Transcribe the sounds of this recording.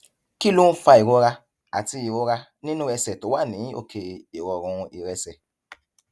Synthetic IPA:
ki˦˨lũ˦fa˧i˨ɾo˦ɾa˧ | a˨ti˧i˨ɾo˧˦ɾa˧ | nĩ˦nũ˦ɾɛ˧sɛ˨to˨˦wa˦˨nĩ˨˦o̰˦˨kʰe˧˨i˨ɾɔ˧ɾ̃ũ˧i˨ɾɛ˧sɛ˨

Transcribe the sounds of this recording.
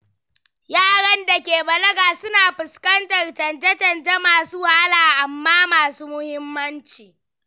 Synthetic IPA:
jaː˦ɽɐ˦nda˨kʲeː˨bɐ˨lɐ˦ɡaː˨sʊ˦naː˨ɸʊ˨skɐ˦ntɐ˨rt͡ʃɐ˨ntɐ˦t͡ʃɐ˨nta˦maː˨suː˦haː˦laː˨ʔa˨mːaː˦maː˨suː˦mʊ˦hɪ˦mːɐ˦nt͡ʃiː˨

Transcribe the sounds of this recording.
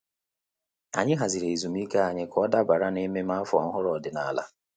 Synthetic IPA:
a˨ɲɪ˦ɦa˨zi˨ɾe˨zu˨m˦i˦ke˦a˨ɲɪ˦kɔ˦da˦ba˨ɾa˦ni˦me˦m˦a˦fɔ̰˨ŋ̩˦ɦʊ˦ɾɔ˨dɪ˨na˨la̰˦

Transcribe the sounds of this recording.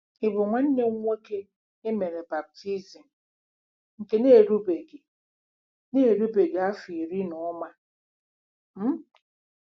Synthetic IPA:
ɪ˨bʊ˨ŋʷa˦n̩˦ne˦ŋʷ˦e˦ke˦ | e˦me˨ɾe˨ba˨b̚tʰi˦zi˨m̩˨ | ŋ̩˨ke˨ne˦˨ɾu˦be˨ɡe˨ | ne˦˨ɾu˦be˨ɡe˨a˦fi˨ɾi˦nɔ˨˦ma˦ | m̩˦

